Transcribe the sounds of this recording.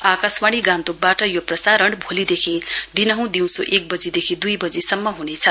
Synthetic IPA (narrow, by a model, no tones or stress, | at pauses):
akaswaɽiɡãnt̪uk̚baʈʌjoprʌsaɾʌɳɖbʱolid̪ekʰĩd̪inʌɦũd̪iw̃soʔek̚bʌd͡zid̪ekʰĩd̪ujbʌd͡zisʌmːʌɦunet͡sʰʌ